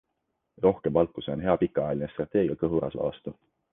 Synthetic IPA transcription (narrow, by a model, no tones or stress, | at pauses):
ro̞hkemvɑlt̪ːˑuse̞o̞nɦe̞ɑpikːˑɑɑjɑlinest̪rɑt̪ːˑe̞ːɡ̥iɑkɤɦuɾɑ̰svɑ̰ɑst̪u